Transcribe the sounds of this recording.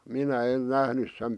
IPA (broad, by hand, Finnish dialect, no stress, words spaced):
minæ en næhnys sem